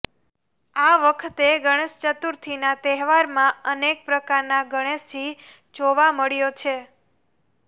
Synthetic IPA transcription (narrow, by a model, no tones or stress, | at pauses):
aʋəkʰt̪eɡəɽ̃eʃt͡ʃət̪uɾt̪ʰinat̪ɛɦʋaɾmãənek̚pɾəkaɾnaɡəɽ̃esi | d͡ʒoʋaməɭjot͡ʃʰe